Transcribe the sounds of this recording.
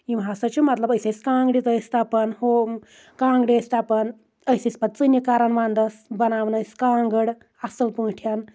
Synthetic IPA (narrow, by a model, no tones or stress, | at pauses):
jimɦasɐt͡ʃʰumɐt̪lɐbəjsʲeskãːŋɡɽit̪əst̪apɐnho | kãːŋɡɽɐst̪apɐn | əjsispɐt̪̚t͡sɨnjikaːɾɐnʋãːnd̪ɐsbɐnaːʋnɐsʲkaːŋɡəɽ | asɐlpuːʈʰjan